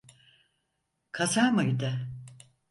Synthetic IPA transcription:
kʰasaɾmajd̪a

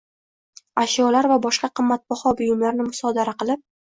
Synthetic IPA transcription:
aʃjɒlaɾvabɒʃqɑqʰɨmːat̪̚bɒhɒbʊjʊmlaɾnɪmʊsɒd̪aɾaqɨlˠɪp̚

